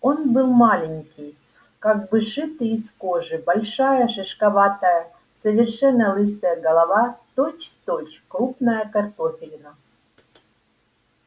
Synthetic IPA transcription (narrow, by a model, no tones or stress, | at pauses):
onbɨlˠmalʲɪnʲkʲɪj | kaɡ̚bɨʂɨt̪ɨːskoʐɨbɐlʲʂajəʂɨʂkɐvat̪əjə | səvʲɪrʂɛnːɐlˠɨsəjəɡɐlˠɐvat̪ot͡ɕt̪ot͡ɕkɾupnəjəkɐrt̪ofʲɪlʲnɐ